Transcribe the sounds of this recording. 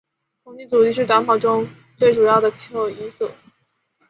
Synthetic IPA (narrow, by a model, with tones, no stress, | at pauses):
t͡sʰʊ˨˩ŋt͡ɕ̪i˥˩t͡su˨˩li˥˧ʂ̬ɻ̩˥˩t̪wa˧˥npʰɑ˨˩ʊʈ͡ʂʊ˥ŋ | t͡swe˥˩ɪʈ͡ʂu˨˩jɑ˥˩ʊd̪ə˩t͡ɕʰi˥˩o˥˩ʊi˧˥nsu˥˩